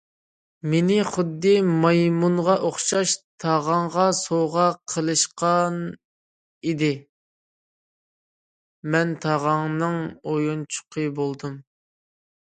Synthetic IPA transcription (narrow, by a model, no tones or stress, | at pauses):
menɪχʊd̪ːɨmɑjmunʁɑʔoχʃɑʃt̪ʰɑʁɑŋʁɑsoʁɑqʰəlˠɨʃqɑn | id̪ɪ | mɛnt̪ʰɑʁɑŋnɨŋojunt͡ʃʰʊ̥qʰəbolˠd̪ɨm